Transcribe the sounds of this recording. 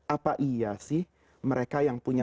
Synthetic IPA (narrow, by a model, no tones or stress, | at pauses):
ʔapaʔijasɪh | məɾekajaŋpuɲa